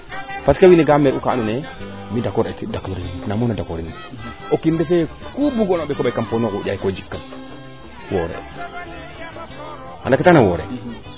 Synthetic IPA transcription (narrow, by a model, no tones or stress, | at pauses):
paskawineɡameɾukaːnune | midakoɾetdakoɾinnamonadakoɾin | okindefe | kubuɡonoɓɛkobajkamponokuɟaikod͡ʒikːam | woɾḛ | a̰ndaketanawoɾḛ